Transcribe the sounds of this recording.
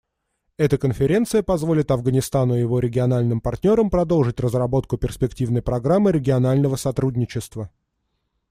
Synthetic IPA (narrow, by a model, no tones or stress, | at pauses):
ɛt̪əkənfʲɪɾʲe̞nt̪sɨjəpɐzvo̞lʲɪt̪ɐvɡənʲɪst̪anʊɪjɪvo̞ɾʲɪɡʲɪɐnalʲnɨmpɐrtʲnʲo̞ɾəmpɾɐd̪o̞lˠʐɨtʲrəzrɐbo̞t̪kʊpʲɪrspʲɪktʲivnəjpɾɐɡɾamːɨɾʲɪɡʲɪɐnalʲnəvəsɐt̪ɾudʲnʲɪt͡ɕɪst̪və